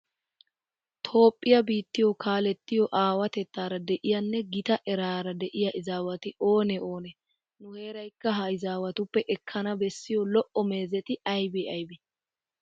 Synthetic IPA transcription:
t̪ʰo̞ːpʼːɪjɐbiːt̪ːɪjɔkʰaːlɛt̪ːɪjɔʔaːwɐt̪ɛt̪ːaːɾɐd̪ɛʔɪjɐnːɛɡɪt̪ɐʔɛɾaːɾɐd̪ɛʔɪjɐʔɪzaːwɐt̪ɪo̞ːnɛo̞ːnɛ | nʊhe̞ːɾɐjkːɐɦɐɪzaːwɐt̪ʊpːɛʔɛkʰːɐnɐbɛsːɪjɔlɔʔɔme̞ːzɛt̪ɪɐjbɛɐjbɛ

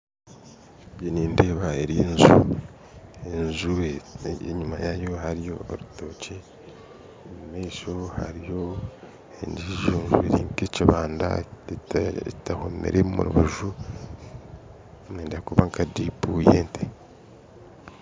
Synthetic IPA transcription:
bjeniːnde̞βaeɾienzu | enzuβeeɲumajajo̞haɾijoːɾutoce | mumeʃoha̰ɾijo̞ | ḛɲdiʒoːnzueɾiŋkeciβaːnda̰ | tahomḛɾʔemumṵɾṵβuʒu | neːndakuβaŋkadipujeːnte

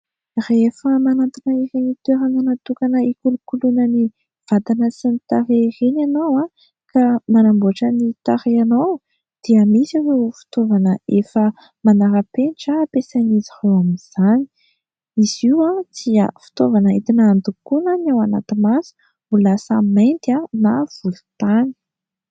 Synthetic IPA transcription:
refəmanat̪inəiɾenit̪eɾananat̪ukanəikulukulunəni | v̥at̪anəsinit̪aɾeiɾenanowa | kamanambuaʈ͡ʂənit̪aɾeanow | d̪̥iəmisawewfi̥t̪ovanəefə | manaɾəpenʈ͡ʂaːpesanizihowamiz̥ani̥ | iz̥iwat͡s̪ia̰fi̥t̪ovanəit̪inand̪ukunənawana̰t̪imasi̥ | mulasəmejnt̪anav̥ulu̥t̪ani̥

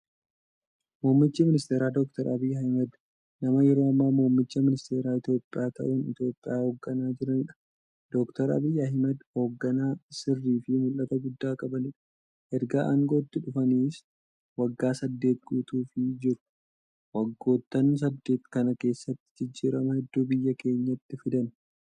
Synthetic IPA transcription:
muːmːɪt͡ʃːiːmɪnɪst̪eːɾaːd̪ɔk̚t̪ɐɾʔɐbijɐhɪmɐd̪ | nɐmɐjɛɾoːɐmːaːmuːmːɪt͡ʃːɐmɪnɪst̪e̞ːɾaːɪt̪jo̞ːpʼːɪjaːt̪ɐ̰ʔunɪ̰t̪jo̞ːpʼːɪjaːho̞ːɡːɐnaːd͡ʒɪɾɐnɪᶑɐ̥ | d̪̥ɔkt̪ɐɾɐ̰bɪjɐɪmɐd̪ho̞ːɡːɐnaːsɪrːiːfɪmʊlːɐt̪ɐɡʊd̪ːaːkʼɐbɐnɪᶑɐ̥ | ʔɛɾɡaːʔɐŋɡoːt̪ːɪᶑʊfɐniːs | wɐɡːaːsɐd̪ːe̞ːt̪̚ɡuːt̪uːfɪd͡ʒɪɾ | wɐɡːo̞ːt̪ːɐns̬ɐd̪ːe̞ːt̪kɐnɐke̞ːsːɐt̪ːɪ̥d͡ʒɪd͡ʒːiːɾɐmɐhɛd̪ːuːbɪjːɐke̞ːɲːɐt̪ːɪfɪd̪ɐn

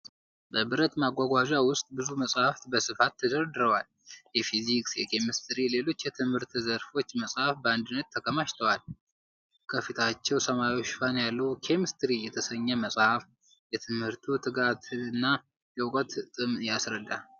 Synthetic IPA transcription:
bəbɨɾət̪maɡʷaɡʷad͡ʒawʊst̪ʼbɨzuməsʼhaft̪bəsɨfat̪ʰːəd̪əɾd̪ɨɾəwal | jɛfiziksjɛ̰kʰe̞mist̪ʰɾile̞lo̞t͡ʃːjɛt̪ʰɨmhɨɾt̪zəɾfo̞t͡ʃːməsʼhafbəand̪ɨnːət̪ʰːəkʰəmaʃt̪ʰəwal | kʰəfit̪ʰat͡ʃːɛwsəmajoʃfanjalːəwkʰe̞mist̪ɾijɛt̪ʰəsəɲːɛməsʼhaf | jɛt̪ʰɨmhɨɾt̪ʰut̪ʰɨɡat̪ʰɨɨnːa | jɛwkʼət̪t̪ʼɨmjasɾəd̪ːa̰

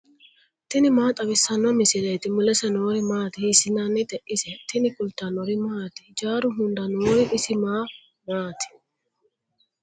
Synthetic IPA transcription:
t̪ɪnɪmaːt̪ʼɐbɪsːɐnːɔmɪsɪlet̪ɪmʊlɛsɐnoːɾɪmaːt̪ɪhɪsɪnanːɪt̪ɛʔɪsɛt̪ɪnɪkʊlt̪anɔɾɪmaːt̪ɪ̥d͡ʒaːɾʊɦʊnd̪ɐnoːɾɪʔɪsɪmaː | maːt̪ɪ̥

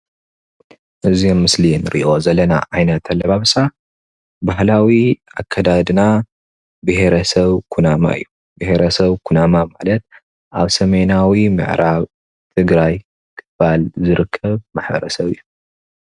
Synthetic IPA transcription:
ʔɨziomːɨslinɨɾʔḭʔo̞zɐlɐna̰ʕajnɐt̪ʰalːɐβaβɨsa | bahlawiʔa̰kʰːɐd̪ad̪ɨna | bɨhe̞ɾɐsɐβkʰunama̰ɨ̰jːu | bɨheɾɐsɐβkʰunamamalɐt̪̚ | ʔaβsɐmenawimɨ̰ʕɾaβ | t̪ʰɨɡɾaj | kʰɨ̥balzɨɾɨkʰːɐβmaħbɐ̰ɾɐ̰sɐβɨ̰jːu

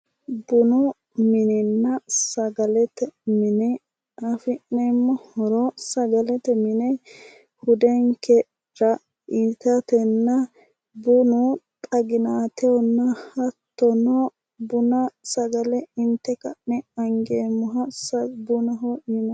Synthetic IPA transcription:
bʊnɔ | mɪnɛnːɐsɐɡɐlɛt̪ɛmɪnɛ | ɐfɪnːɛmːɔhɔɾɔsɐɡɐlɛt̪ɛmɪnɛ | hʊd̪ɛŋkɛ | ɾɐ | ɪt̪ɐt̪ɛnːɐ | bʊnɔtt̪ʼɐɡɪnaːt̪ɛɔnːɐhɐt̪ːɔnɔ | bʊnɐsɐɡɐlɛɪnt̪ːɛkɐʔnɛɐŋɡeːmːɔɦɐsɐbʊnɐɦɔɪn

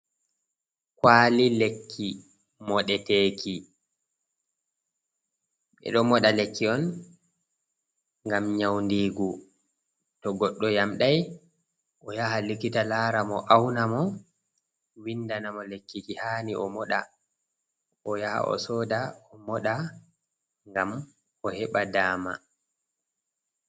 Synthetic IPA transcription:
kwaːlilekʰːi | mɔɗɛteːkʰi | ɓɛ̰ɗɔmɔɗalekːiɔn | ŋɡamɲawndiːɡu | tɔɡɔɗːɔjamɗaj | ʔɔjaɦalikːitalaːɾamɔʔawnamɔ | windanamɔlekːikihaːniʔɔmɔɗa̰ | ʔɔjaha̰ʔɔ̰sɔːdaɔmɔɗa | ŋɡam | ɔhɛɓadaːma̰

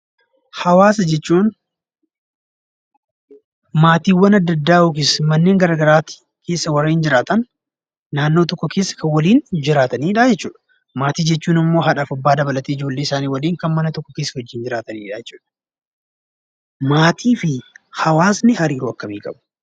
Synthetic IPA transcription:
hɐwaːsɐd͡ʒɛt͡ʃːuːn | maːt̪iːwːɐnɐd̪ːɐd̪ːaːʊkɪsmɐnːeːŋɡɐɾaːɡɐɾaːt̪ːɪ̥ | kʰe̞ːsːɐwɐriːnd͡ʒɪɾaːt̪ɐnː | aːnːo̞ːt̪̬ɔkːɔkʰe̞ːsːɐ̥kʰɐnwɐliːnd͡ʒɪɾaːt̪ɐniːᶑad͡ʒɛt͡ʃːuːᶑɐ̥ | maːt̪iːd͡ʒɛt͡ʃːuːnɪmːo̞ːɦɐᶑafɐbːaːd̪ɐbɐlɐt̪eːɪd͡ʒo̞ːlːeːɪsaːniːwɐliːŋkɐnmɐnɐt̪ɔkːɔkeːsːɐhɔd͡ʒːiːnd͡ʒɪɾaːt̪ɐniːᶑɐd͡ʒɛt͡ʃːu̥ːᶑɐ̥ | maːt̪ʰiːfɪhɐwaːsnɪhɐɾiːɾuɐkːɐmiːkʼɐ̰bʊ

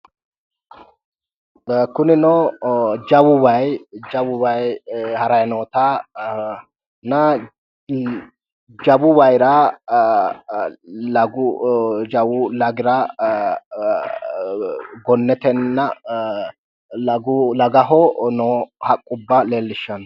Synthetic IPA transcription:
kʊnɪnɔ | d͡ʒɐwʊwɐjd͡ʒɐwʊwɐjhɐɾɐjɐnoːt̪a | nɐ | d͡ʒɐbʊwɐjɾɐ | lɐɡʊd͡ʒɐwʊlɐɡɪɾɐ | ɡɔnːɛt̪ɛnːɐ | lɐɡʊlɐɡɐɦɔnoːhɐkʼːʊbːɐleːlːɪʃːɐn

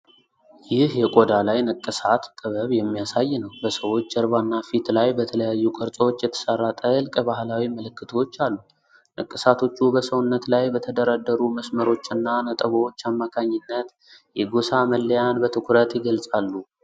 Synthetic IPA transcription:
jɪhjɛkʼo̞d̪alajnəkʼːɨsat̪t̪ʼːəβəβjɛmːijasajːnəwbəsəwo̞t͡ʃːd̪əɾβanːafit̪lajbət̪ʰələjajːukʼəɾt͡sʼəwot͡ʃːjɛt̪ʰə̥sərːat̪ʼɨlkʼbahlawiməlɨkːɨt̪ʰəwot͡ʃːalːu | nəkʼːɨsat̪ʰo̞t͡ʃːubəsəwnːət̪lajbət̪ʰəd̪əɾad̪ːəɾuməsməɾo̞t͡ʃːɨnːanət̪ʼəβəo̞t͡ʃːamːakʰaɲːɪnːət̪ | jɛɡosaməlːəjanbət̪ʰɨkʷʰɾət̪jɪɡəlsʼalːu

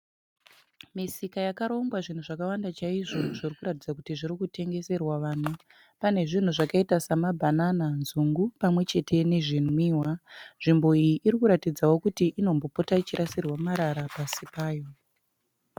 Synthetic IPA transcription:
misikajakaɾo̞ŋɡwaʐin̤uʐakawandat͡ʃaiʐoʐirikuɾatid͡zakutiʐiɾikute̞ŋɡe̞se̞rwaʋaːn̤u | pane̞ʐin̤uʐakaitasamabʱanananzuŋɡupamwe̞t͡ʃe̞tʰe̞ne̞ʐinwiːwaʐimbo̞ijiʔːɾikuɾatid͡zawo̞kutiʔːno̞mbo̞potait͡ʃiɾasirwamaɾaɾapasipaːjo̞

